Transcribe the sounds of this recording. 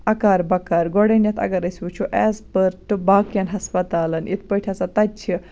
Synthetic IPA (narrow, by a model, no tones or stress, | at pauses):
ɐkaɾbɐkaɾɡɔɽenjat̪ʰɐ̰ɡaɾɐsut͡ʃʰuʔɛspəɾʈɨbakjanɦɐspɐt̪alɐnit̪̚pəʈʰjat͡sat̪ɐt͡ɕʰi